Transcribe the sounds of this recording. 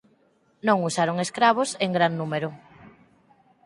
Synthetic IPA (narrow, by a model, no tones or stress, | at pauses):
nõŋusaɾoŋeskɾaβ̞oseŋɡɾannumeɾʊ